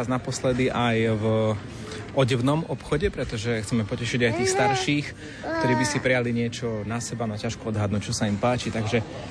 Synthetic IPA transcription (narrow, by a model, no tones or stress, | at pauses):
znapɔslɛd̪iʔajv | ɔɟɛʊnɔmɔpxɔɟɛpɾɛt̪ɔʒɛxt͡sɛmɛpɔcɛʃiɟajt̪iːxst̪aɾʃiːx | kt̪ɔɾiːbisipɾɛjaliɲɪɛt͡ʃɔnasɛbanɔacaʃkuɔd̪ɦad̪nuc̚t͡ʃɔsaimpaːt͡ʃit̪aɡʒɛ